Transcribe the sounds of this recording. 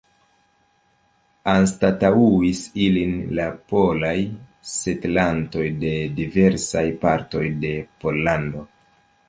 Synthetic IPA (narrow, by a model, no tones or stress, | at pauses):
anstatauisilinlapo̞lajse̞tlanto̞jde̞dive̞ɾsajpaɾto̞jde̞po̞lːando̞